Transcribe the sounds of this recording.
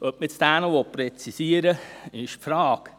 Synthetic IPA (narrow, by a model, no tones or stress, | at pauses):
œp̚mɪt͡sd̥ænəʋopɾɛt͡sisiəɾəɪʃfɾɑːk